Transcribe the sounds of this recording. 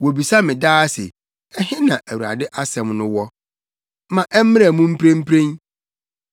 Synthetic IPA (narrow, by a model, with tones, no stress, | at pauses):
wo˨bi˨sa˦mɪ̃˨daː˦sɪ̰˨ | ɛ˦hɪ̃˦nã˨ʔæ˨wu˨ɾa̰˨dɪ˦ʔa˦sɛ̃˨mnʊ̃˦wɔ˦ | mã˨ʔɛ˦m̩˦ɪ̃˦a˨mũ˦m̩˦pʰɾẽ˦m̩˦pʰɾẽ˦n